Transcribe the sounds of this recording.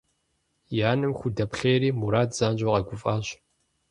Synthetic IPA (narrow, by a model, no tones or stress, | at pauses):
jaːnɨmxʷʊdɐpχʲeːɾiːmuɾaːdz̥aːnd͡ʒʼoʁɐɡʷʊfʼaːɕ